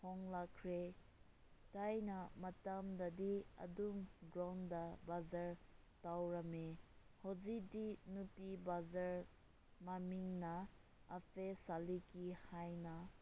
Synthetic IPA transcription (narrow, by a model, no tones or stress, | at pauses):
hɔŋlakʰɾe | tajnɐmɐtamdɐdiɐ̰dumɡɾawndɐbazaɾtawɾɐmehozidinupibazaɾ | mamiŋnɐɐpʰesalikihajna